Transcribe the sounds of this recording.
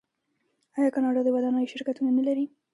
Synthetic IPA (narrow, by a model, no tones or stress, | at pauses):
ɑjɑkɑnɑɖɑd̪əwad̪ɑnəjoʃɪɾkat̪unanalaɾi